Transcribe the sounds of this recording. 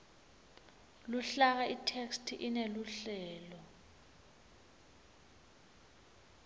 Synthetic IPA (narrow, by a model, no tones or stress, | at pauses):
luɬak̬aitʰekstʰiʔineluɬɛːlɔ